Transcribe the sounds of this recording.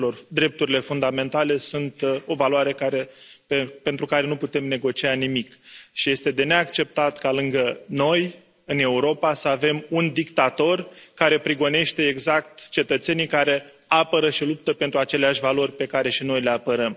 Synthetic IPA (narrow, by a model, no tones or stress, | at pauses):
lo̞rd̪ɾe̞p̚t̪uɾile̞fund̪ame̞nt̪ale̞sunt̪o̞valoaɾe̞kaɾe̞pepe̞nt̪ɾukaɾe̞nuput̪e̞mne̞ɡo̞t͡ʃianimikʃije̞st̪e̞d̪e̞ne̞akt͡ʃe̞p̚t̪at̪kalɨŋɡəno̞j | ɨne̞uɾo̞pasəave̞mund̪ikt̪at̪o̞rkaɾe̞pɾiɡo̞ne̞ʃt̪e̞ːɡzak̚t̪t͡ʃe̞t̪ət̪se̞nijkaɾe̞ | apəɾəʃilup̚t̪əpe̞nt̪ɾuat͡ʃe̞leaʃʲvalo̞rʲpe̞kaɾe̞ʃino̞jle̞apəɾəm